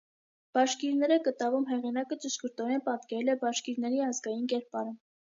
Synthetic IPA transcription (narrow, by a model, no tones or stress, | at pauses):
b̥ɑʃkiɾnɛɾəkət̪ɑvumɦɛʁinɑkət͡ʃəʃkəɾt̪ɔɾɛnpɑt̪kɛɾɛlɛbɑʃkiɾnɛɾiɑzɡɑjinkɛɾpɑɾə